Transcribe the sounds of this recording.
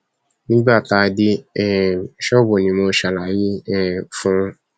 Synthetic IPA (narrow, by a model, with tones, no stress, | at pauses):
nĩ˦ɡ͡ba˦˨ta˧˦˧di˦ɛ˦˨ʃɔ˦˨bo˨nĩ˨˦mo˧˦ʃa˨la˨ji˦ɛ˦˨fũ˦˧